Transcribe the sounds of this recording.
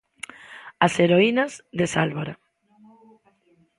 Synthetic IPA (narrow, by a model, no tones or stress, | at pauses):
aseɾoinazðesalβaɾa